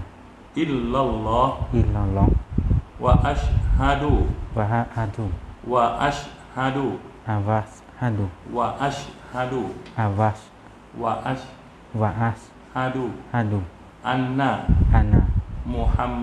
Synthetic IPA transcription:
ʔɪlːalːɑːhʔɪlːalɔŋwaʔaʃhad̪uwahahad̪uwaʔaʃ | had̪uʔavas | had̪uwaʔaʃhad̪uʔavas | waʔaʃ | waʔaʃ | haduhad̪u | ʔanːahanamʊħamː

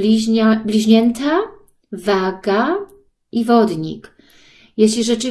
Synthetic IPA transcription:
iablʲiʑɲɛnt̪a | vaɡa | ʔivɔd̪ɲḭk | jeɕlʲiʐɛt͡ʂɘ

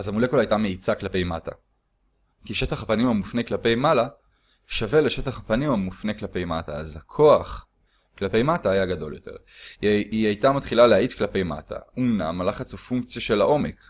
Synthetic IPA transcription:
azamule̞kolaːjtame̞it͡saklape̞jmata̰ | kiʃe̞taχapanimamufneklape̞jmala | ʃave̞leʃe̞taχapanimamufne̞klape̞jmataazhakʰo̞aχ | klape̞jmataːjaɡado̞̰ljo̞̰t̪e̞ʁ | iajtamat̪χilaleaʔit͡sklape̞jma̰tʰa̰umna̰malaχat͡sofuŋk̚t͡sjaʃe̞laʔo̞me̞k

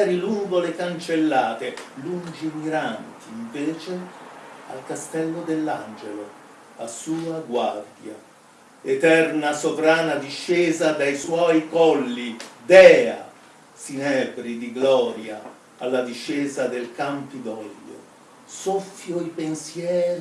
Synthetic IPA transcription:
ɛɾiluŋɡolekant͡ʃelːaːt̪elund͡ʒimiɾant̪iɱveːt͡ʃe | a̰lkast̪ɛlːod̪elːand͡ʒelo | asuːaɡward̪ja̰ | et̪ɛrnasovɾaːnad̪iʃːɛːzad̪ajswɔːjkɔlːid̪ɛːa̰ | sinɛbɾid̪iɡlɔːɾja | alːad̪iʃːɛːzad̪elkampid̪ɔlːo̰ | sɔfːjoipensjɛːɾi

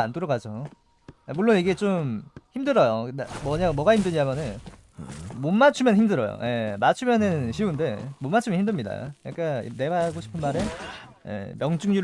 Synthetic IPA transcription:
antʰɯɾʌɡad͡ʑo | muɭːoniɡe̞t͡ɕomçimdɯɾʌjonmʌɲamwʌɡahimdɯɲamjʌnɯn | monmat͡ɕʰumjʌnçimdɯɾʌ̰jo̰je̞mat͡ɕʰumjʌnɯnɕʰiunde̞monmːat͡ɕʰɯmʌnɦimdɯmɲida̰ja̰k͈a̰ne̞waɡoɕʰi̥pʰɯnmaɾe | je̞̰mjʌŋt͡ɕ͈uŋɲuɾ

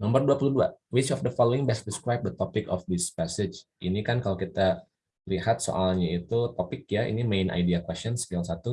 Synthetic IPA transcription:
nɔmbərduapuluhdua̰wit͡ʃɔfd̪əfɔloɪŋbɛs̚pɾiskɾajb̚d̪ət̪ɔpɪkɔ̰fd̪ɪspɛsɪd͡ʒʔinikankalokit̪a | lihat̪̚so̰ʔalɲait̪ut̪ɔpɪk̚jaḭnimenʔa̰jdiakwɛstɔnspialsat̪u

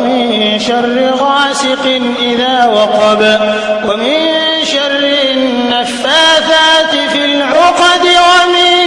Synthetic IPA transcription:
mɪnʃɑrːɪɣaːsɪqɪnʔɪðaːwɑqɑbwamɪn | ʃarˤːɪnːafːaːθat̪ɪfɪlʕʊqɑd̪ɪwamɪ

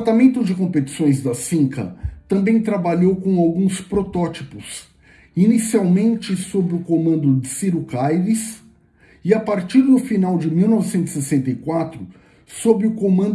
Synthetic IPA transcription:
t̪amẽnt̪ʊd͡ʒɪkõpet͡ʃi̥sõj̃zd̪ɐsĩŋkɐ̰t̪ɐ̃mbẽj̃t̪ɾabaʎowkõw̃awɡũspɾot̪ɔt͡ʃipʊs | inisiawmẽnt͡ʃɪsobɾɪʊkomɐ̃nd̪ʊd͡ʒɪsiɾukajvis | ɪapaɾt͡ʃiɾd̪ʊfinawd͡ʒɪmiwnɔvɪsẽnt̪ʊsesẽnt̪ɐikwat̪ɾʊ | sobɾɪʊkomɐ̃nd̪

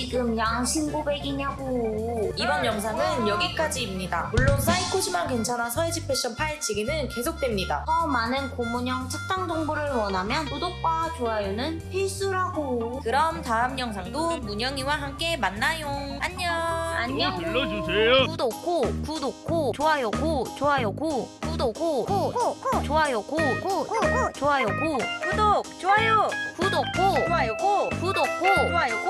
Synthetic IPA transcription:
iɡɯmjaŋɕʰinɡobe̞ɡiɲaɡoibʌnjʌŋs̬ʰaŋɯnjʌɡik͈ad͡ʑiːmɲidamuɭːonsʰaikʰoɕʰimankwe̞nt͡ɕʰanasʰʌed͡ʑipʰeɕ͈ʰʌnpʰaet͡ɕʰiɡinɯnke̞sʰok̚t͈we̞mɲida̰sʰʌmanɯnkomuɲʌŋt͡ɕʰak̚t͈aŋd͡ʑʌŋboɾɯɭwʌnɦamjʌntodok̚k͈wat͡ɕoajunɯnpʰiɭs͈uɾɦaɡokɯɾʌmtaɯmɲʌŋsʰaŋdomuɲʌŋiwaɦamk͈e̞manːajoŋaɲʌaɲoʌd͡ʑusejoudok̚k͈okudok̚k͈ot͡ɕoajʌɡot͡ɕoajʌɡokudoɡoot͡ɕoajʌɡoot͡ɕoajʌɡokudok̚t͡ɕoajokudok̚k͈oajʌɡokudok̚k͈ooajoɡ

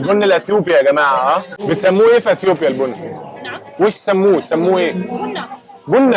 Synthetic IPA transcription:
lbʊnːalʔeθjuːbijaɡæmaːʕaʔabɪt̪samːuːʔeːfiʔeθjoːpjalbʊnː | weːʃt̪samːuːt̪samːuːʔeː | bʊnː

